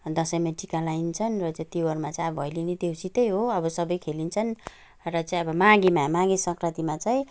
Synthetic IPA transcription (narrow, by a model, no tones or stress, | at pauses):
d̪ʌsʌjmeʈikalaint͡sʰʌnrʌt͡sãt̪iwʌrmat͡saj̃ʌbʌɦʌjlinid̪ewsit̪ʌjɦoʌbʌsʌbʌjkʰelint͡sʰʌn | rʌt͡saĩʌbʌmãɡimamãɡisʌ̃ŋkʰrʌt̪imat͡saĩ